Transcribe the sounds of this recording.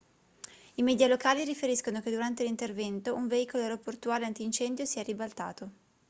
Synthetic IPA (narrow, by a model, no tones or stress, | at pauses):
imɛːd̪jalokaːliɾifeɾiskonok̟ed̪uɾant̪elint̪ervɛnt̪oʔuɱveiːkoloeɾopːort̪uaːleant̪iːnt͡ʃɛnd̪josiɛribalt̪a̰ːt̪o